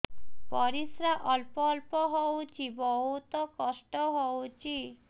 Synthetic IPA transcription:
pɔɾisɾaʔɔlpɔlpɔɦɔwt͡ʃʰibɔɦut̪ɔkɔsʈɔɦɔwt͡ʃʰi

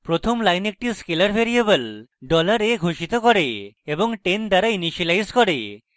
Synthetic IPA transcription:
pɾot̪ʰɔmlajnek̚ʈiskelaɾbʱeɾiebəlɖɔlaɾeɡʱoʃit̪ɔkɔɾeːbɔŋʈend̪aɾainiʃalajzkɔɾe

